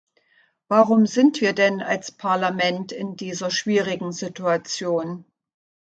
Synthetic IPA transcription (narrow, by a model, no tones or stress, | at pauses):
v̥aʁʊmzɪntv̥iːɐdɛnalspʰaɐlamɛntɪndiːzɐʃv̥iːʁɪɡŋ̩zɪtuat͡sjoːn